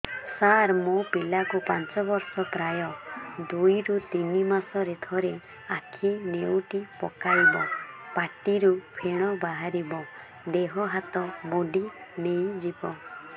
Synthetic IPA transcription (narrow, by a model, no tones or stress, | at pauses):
saɾmopilakupant͡ʃɔbɔɾsɔpɾajɔd̪ujɾut̪inimasɔɾet̪ʰɔɾe | akʰinewʈipɔkaibɔpaʈiɾupʰeɽ̃ɔbaɦaɾibɔ | d̪eɦɔɦat̪ɔmoɖinej̃d͡ʒibɔ